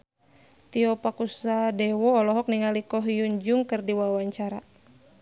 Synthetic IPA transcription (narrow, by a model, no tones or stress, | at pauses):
t̪iɔpakusadɛwɔːlɔɦɔk̚niŋalikɔɦjuɲd͡ʒuŋkɨrdiwawaɲt͡ʃaɾa